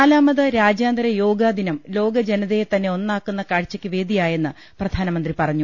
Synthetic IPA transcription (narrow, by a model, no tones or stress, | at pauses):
aːlaːmɐðɐɾaːd͡ʑjaːnd̪ɐɾɐjo̞ːɡaːd̪inɐmlo̞ːɡɐd͡ʑenɐðejt̪ɐnːe̞o̞nːaːkːunːɐkaːɻt͡ɕːɐkʲːɨʋe̞ːd̪ijaːje̞nːɨ | prɐd̪̥ʱaːnɐmɐnd̪ripɐrɐɲːu